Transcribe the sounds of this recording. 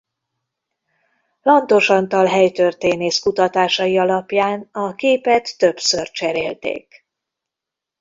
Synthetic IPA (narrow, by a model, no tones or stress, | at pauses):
lɒnt̪o̞ʃɒnt̪ɒlɦɛjt̪ørt̪eːneːskut̪ɒt̪aːʃɒjiɒlɒpjaːnɒkeːpɛt̪ːø̞psørt͡ʃɛɾeːlt̪ḛːk